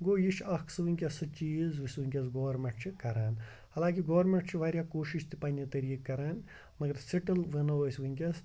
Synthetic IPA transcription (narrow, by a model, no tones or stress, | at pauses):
ɡoːjiʃɐkʰsʋɨŋʲkʲɐsɐt͡ʃiːzʋɐsʲʋɨŋʲkʲɐs̬ɡɐʋɐɾmʲẽɳʈt͡ʃʰikɐɾaːn | hɐlãːkiɡɐʋɐɾmʲeɳʈt͡ʃʰiʋaːɾʲjaːkoːʃiʃt̪ʰipaːnʲit̪ɐɾiːkːɐɾaːn | mɐɡɐɾsiʈɐlʋɐnɐɐsʲʋɨŋʲkʲɐs